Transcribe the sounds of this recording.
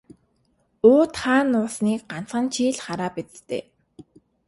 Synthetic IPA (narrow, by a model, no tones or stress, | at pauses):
oːt̪χaːnːʊːsniːk̚ɢan̥t͡sχə̆nt͡ɕʰiːɮχaɾaːpit͡st̪ḛː